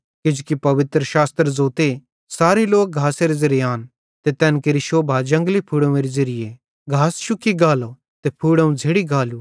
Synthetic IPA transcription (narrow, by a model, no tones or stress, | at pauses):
kɪd͡ʒkipɐʋɪt̪ɾəʃaːst̪ɾəzoːt̪e | saːɾeloːk̚ɡʱaːseɾezɐɾɪjaːn | t̪et̪ɛːnkeɾiʃoːbʱad͡ʒɐ̃ŋɡlipʰuːɽɐ̃ẽːɾizɐɾɪje | ɡʱaːsʃʊkːiɡaːlo | t̪epʰuːɽãũd͡zʱeːɽiɡaːlu